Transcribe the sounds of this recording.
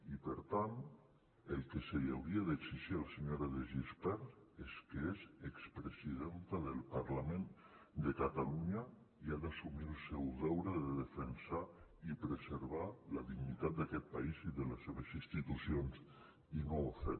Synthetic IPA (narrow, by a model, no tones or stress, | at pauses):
ipeɾt̪ant̪ | elˠkesejawɾiaðeksiʒialaseɲoɾaðeʒispɛɾeskeezekspɾesiðent̪aðelˠpaɾlamẽnd̪ekat̪aluɲa | iad̪asumilˠsɛwðɛwɾeðeðefensaipɾezeɾβalaðiɣnit̪at̪̚d̪akɛt̪̚paiziðelesːeβ̞esinst̪it̪usions | inoafe